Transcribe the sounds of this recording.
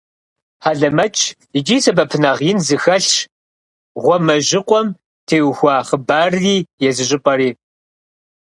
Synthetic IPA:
ħaːɮɐmɐt͡ʃʼʰ | id͡ʒiːsɐbɐpʰɨnɐʁjɪnzɨxɐɬʃ | ʁʷɔmɐʒɪqʷʼɔm | tʰeːwxʷɑːχəbaːriːjɛzɨʑʼɪpʼɐriː

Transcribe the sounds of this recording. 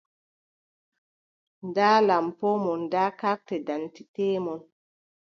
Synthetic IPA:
ndaːlampɔmɔndakak̚tɛdantitemɔn

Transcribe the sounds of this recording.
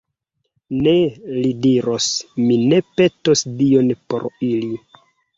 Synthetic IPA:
ne̞lidiɾosmine̞pe̞to̞sdio̞npo̞̰ɾili

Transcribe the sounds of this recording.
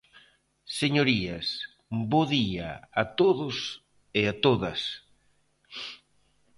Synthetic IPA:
seɲoɾiɐs | boðia̰at̪oðʊs | ɪat̪oðɐs

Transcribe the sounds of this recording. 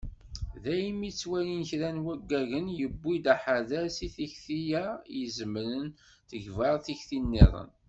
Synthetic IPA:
ðæjmit͡sːwæninçɾænwæɡːæʝənjəbːid̪aħaðæsiθiçθijæjəzəmːlən | θəʝvɑʁθiçθinːḭðˤə̰n

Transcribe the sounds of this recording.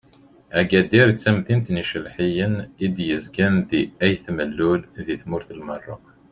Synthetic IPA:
æɡæd̪iɾt͡sːæmθint̪niʃəlħijənid̪jəzɡænd̪iæjθməlːulðiθmʊɾθəlmərˤːo̰q

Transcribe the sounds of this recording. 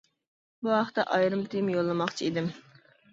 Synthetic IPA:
buɦɑχt̪ɛʔɑjɾɨmt̪ʰimjolˠːɨmɑχt͡ʃʰiid̪ɪm

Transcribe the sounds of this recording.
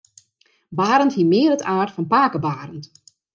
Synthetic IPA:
baːɾənthiəmɪːəɾətʰaːrtfɔnpaːkəbaːrənt

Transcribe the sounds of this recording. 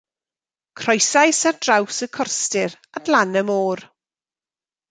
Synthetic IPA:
kʰrɔjsajsard̥rawsəkʰɔrstɪɾ | adlanəmoːr

